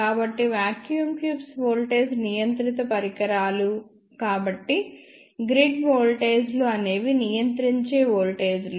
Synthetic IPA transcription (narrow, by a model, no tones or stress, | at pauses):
aːbɐʈːiʋaːkjuːmkjuːpsʋoːlʈeːd͡ʒnijɐnt̪ɾit̪ɐpɐɾikɐɾaːlu | kaːbɐʈːi | ɡɾiɖʋoːlʈe̞ːd͡ʒluɐne̞ːʋinijɐnt̪ɾiɲt͡ʃeːʋoːlʈeːd͡ʒlu